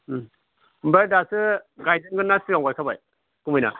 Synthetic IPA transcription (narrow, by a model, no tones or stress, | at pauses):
mbadasɯɡajdɯŋɡɯnːasiɡaŋɡajkʰabaj | kumɯjna̰